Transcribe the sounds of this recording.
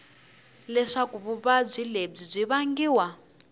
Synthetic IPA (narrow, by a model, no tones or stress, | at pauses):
lɛʂakuβuβab͡ʐʷileb͡ʐib͡ʐʷiβaŋɡiːwa